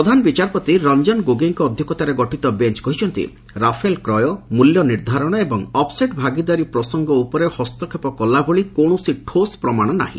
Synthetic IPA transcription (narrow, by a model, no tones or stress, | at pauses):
ɾɔd̪ʱanɔbit͡ʃaɾpɔt̪iɾɔnd͡ʒɔnɡoɡeŋkɔːd̪ʱjɔkɔt̪aɾeɡɔʈit̪ɔbent͡ʃkɔɦit͡ʃʰɔnt̪ḭ | ɾapʰelkɾɔjɔmuljɔniɾd̪ʱaɾɔɽ̃ɔebɔŋɔpseʈbʱaɡid̪aɾipɾɔsɔŋɡɔupɔɾehɔst̪ɔkʰepɔkɔlːaboɭikoɽ̃usiʈʰospɾɔmaɽ̃ɔna̰ɦḭ̃